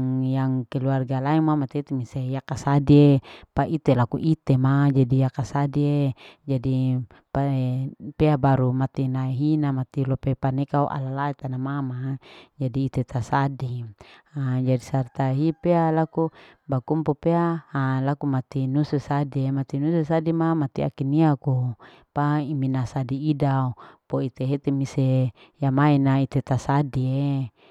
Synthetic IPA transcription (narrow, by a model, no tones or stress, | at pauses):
ŋjaŋkɛluarɡalaɛŋmamat̪et̪imisejakasadiepaʔit̪elakuʔit̪emad͡ʒadijakasadied͡ʒadi | papeabaɾumat̪inaeɦinamat̪ilɔpepanekauʔa̰lalait̪anamamad͡ʒadiːt̪et̪asadiad͡ʒadisart̪aeɦipealakubakumpopeaːlakumat̪inusesadiemat̪inusesadimamat̪ia̰kiniaku | paiminasadiːdaopoit̪eɦet̪emise | jamainait̪et̪asadie